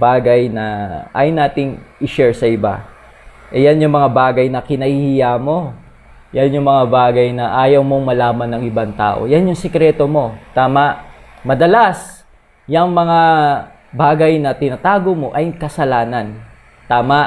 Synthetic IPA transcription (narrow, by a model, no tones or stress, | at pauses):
baːɡɐjnɐʔa̰ːjʊnaːt̪ɪŋʔɪʃɛɹsɐʔɪba̰ | ʔɛjanjʊŋmɐŋabaːɡɐjnɐkɪnɐhihɪjamo̞ | janjʊŋmɐŋabaːɡɐjnɐʔaːjɐwmo̞ŋmɐlaːmɐnːɐŋʔɪbaŋt̪a̰ːʔo̞̰janjʊŋsɛkɾɛt̪o̞mo̞t̪aːmɐʔ | mɐd̪ɐlas | jɐŋmɐŋa | baːɡɐjnɐt̪ɪnat̪aːɡomo̞ʔɐjkɐsɐlaːnɐn | t̪aːmaʔ